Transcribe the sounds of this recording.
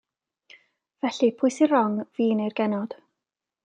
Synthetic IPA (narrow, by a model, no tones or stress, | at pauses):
v̥ɛɬipʰʊɨsirɔŋviːnejrɡɛnɔd̥